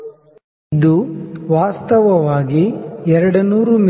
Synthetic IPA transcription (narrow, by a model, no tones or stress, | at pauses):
d̪uʋaːst̪ɐʋɐʋaːɡiɛɾɐɽɐnuːɾum